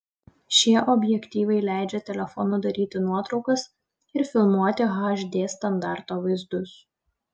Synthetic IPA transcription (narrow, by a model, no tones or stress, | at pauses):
ʃʲiɛʔɔbʲjɛkʲt̪ʲiːʋɐɪlʲæˑɪd͡ʒʲɛt̪ʲɛlʲɛfɔnʊd̪ɐɾʲiːt̪ʲɪnuɔt̪ɾɒʊkɐs | ɪɾfʲɪlˠmuɔt̪ʲɪɣɑʒd̪ʲeːst̪ɐnd̪ɑˑɾt̪oːʋɐɪzd̪ʊs